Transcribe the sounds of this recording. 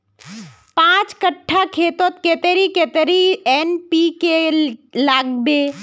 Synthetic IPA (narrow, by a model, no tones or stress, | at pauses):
pãt͡ʃkəʈʰːakʰeːt̪ot̪ket̪eɾiket̪ɾienpikelaːɡbe